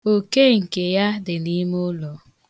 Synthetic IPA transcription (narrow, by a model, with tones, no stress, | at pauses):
o˨ke˦ŋ̩˨ke˨ja˦dɪ˨ni˦m˦ʊ˦lɔ˨